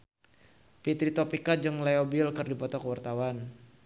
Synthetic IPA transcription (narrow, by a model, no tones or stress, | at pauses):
pit̪ɾit̪ɔpikad͡ʒɨŋleobilkɨrdipɔt̪ɔkəwart̪awan